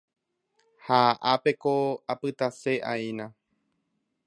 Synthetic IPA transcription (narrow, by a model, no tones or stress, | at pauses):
haʔape̞koapɨt̪ase̞ʔaĩnã